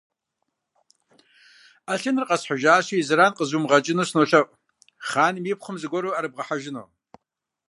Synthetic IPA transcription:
aɬɨnrqʼɐsħaʒaːʃiizɨɾaːnqʼəzuːmʁɐt͡ʃʼɪnoːsnoːɬɐʔʼ | χaːnmipχəmzɨɡʷɔɾoaɾɨb̚ʁɐħaʒɪno̰ː

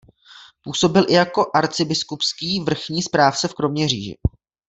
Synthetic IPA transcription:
puːso̞bɪlʔɪjako̞ʔaɾt͡sɪbɪskupskiːvr̩xɲiːspɾaːft͡sɛfkɾo̞mɲɛr̝iːʒɪ̰

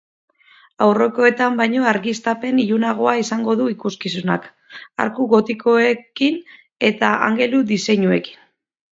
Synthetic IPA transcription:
awro̞ko̞e̞t̪ambajɲo̞aɾɣist̪ape̞niʎunaɣ̞o̞aisaŋɡo̞ðuikuskisuna̰k | a̰ɾkuɣo̞t̪ikoe̞kin | e̞t̪aa̰ŋɡe̞lud̪ise̞ɲue̞ki̥n

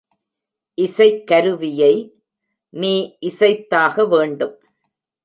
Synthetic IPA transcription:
ʔɪsɐɪkːɐɾɯʋɪjɐɪ | niːʔɪsɐɪt̪ːaːɣɐʋeːɳɖɯm

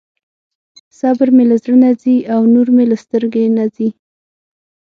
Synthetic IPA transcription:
sabɪɾmelazɾənaziawnuɾmelast̪əɾɡenazi

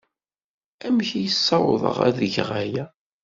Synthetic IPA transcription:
æmçijəsˤːɑwðˤə̰ʁæ̰ðəʝʁæjæ

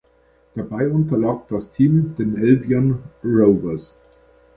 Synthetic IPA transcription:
d̥abaɪʔʊntɐlaːk̚d̥astʰiːmd̥eːnʔɛlbjanʁoʊvəs

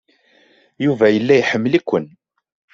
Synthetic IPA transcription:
juvæjəlːæjħəmːlikʷːən

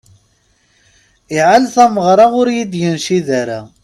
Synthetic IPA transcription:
ɪʕalθæməʁɾˤɑʁʊɾjid̪jənʃiðæɾæ̰

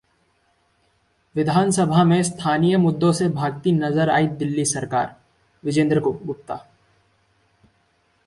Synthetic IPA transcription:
ʋɪd̪ʱaːnsəbʱamẽst̪ʰaːnijəmʊd̪ːõsebʱaːɡ̚t̪inɐzəɾa̰ːid̪ɪlːisɐɾka̰ːɾ | ʋɪd͡ʒẽːnd̪ɾəkoɡʊp̚t̪a̰ː

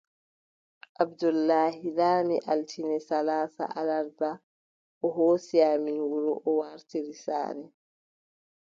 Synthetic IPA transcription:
ʔabdulːaːɦilaːmiʔaltʰinɛsalaːsa̰ʔalaɾba | ʔɔɦoːsiaːminwuɾuʔɔwaɾtiɾisa̰ːɾɛ

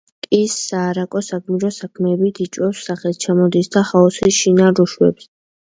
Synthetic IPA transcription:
kʼisːaːɾakʼɔsakʼmiɾɔsakʰmɛːbit̪ʰit͡ʃʼwɛfsːaχɛt̪̚t͡ʃʰamɔd̪isd̪aχaɔsisʃinaɾuʃwɛ̰ps

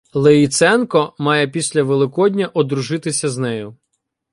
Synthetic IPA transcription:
lˠeit̪sɛnkɔmɑjɛpʲisʲlʲɐʋelˠɪkɔd̪ʲnʲɐʔɔd̪ɾʊʒɪt̪ɪsʲɐznɛjʊ

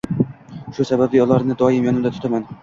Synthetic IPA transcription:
ʃʊsababvɪjɒlˠaɾnɪd̪ɒjɪmjɒnɪmd̪at̪ʰʊ̥t̪ʰaman

